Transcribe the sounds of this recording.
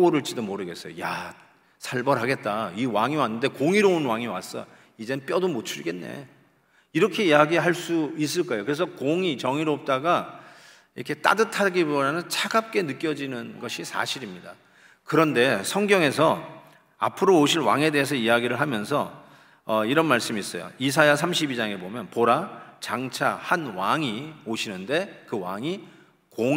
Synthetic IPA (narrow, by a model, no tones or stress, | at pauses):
oɾɯɭt͡ɕ͈idomoɾɯɡe̞s͈ʌjo̰ja | sʰaɭbʌɾɦaɡe̞t̚t͈aiwaŋiwanːɯnde̞koŋiɾounwaŋiwa̰s͈ʌ̰ | id͡ʑe̞nɯnp͈jʌdomot͡ɕʰuɾiɡe̞nːḛ | iɾʌkʰe̞iaɡiɦaɭs͈uis̬͈ɯɭk͈aejokɯɾe̞s̬ʰʌkoŋit͡ɕʌŋiɾoop̚t͈aɡa | iɾʌkʰe̞t͈a̰dɯtʰaɡibodanɯnt͡ɕʰaɡap̚k͈e̞nɯk͈jʌd͡ʑinɯnɡʌɕʰisʰa̰ɕʰiɾimɲida̰ | kɯɾʌnde̞sʰʌŋɡjʌŋe̞sʰʌ | a̰pʰɯɾooɕʰiɭwa̰ŋe̞de̞ɦes̬ʰʌiaɡiɾɯɭɦamjʌnsʰʌ | ʌiɾʌnmaɭs͈ɯmis͈ʌ̰jo̰is̬ʰajasʰamɕʰibid͡ʑaŋe̞bomjʌnpoɾat͡ɕaŋt͡ɕʰahanwaŋioɕʰinɯnde̞kɯwa̰ŋi | ko